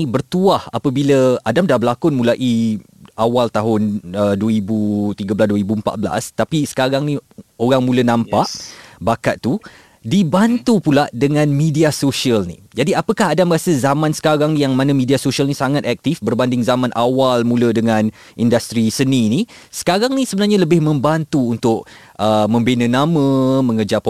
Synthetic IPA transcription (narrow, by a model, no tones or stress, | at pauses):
ibərt̪uaha̰pəbiləadamdahbəlakʊnmũlaʔi | ʔawalt̪aɦʊnəduwəibut̪iɡəblasduəɾibuəmpa̰t̪̚bəla̰st̪apisə̥kaɾaŋnĩoɾaŋmulənãmpaʔbakaʔ̪̚t̪u | dibant̪upuladəŋãnmidiasoʃiəlnḭ | d͡ʒadiapəkaɦadaməɾasəzamãnsə̥kaɾaŋnijaŋmãnəmidiasoʃialnĩsaŋat̪̚ɛk̚t̪ifbərbandɪŋzamãnʔawalmũlədəŋãn | indast̪ɾisənini | sə̥kaɾaŋnisəbənarɲaləbɪhmə̃mbant̪uːnt̪ʊʔ̚ | ʔəmə̃mbenə̃namə̃mə̃ŋəd͡ʒap